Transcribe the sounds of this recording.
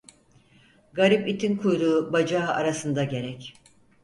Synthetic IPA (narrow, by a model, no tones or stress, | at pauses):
ɡaɾipit̪ʰinkʰujɾuːbad͡ʒaa̰ɾasɯnd̪aɟe̞ɾɛc